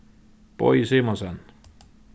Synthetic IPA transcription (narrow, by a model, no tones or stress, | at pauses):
po̰isimosen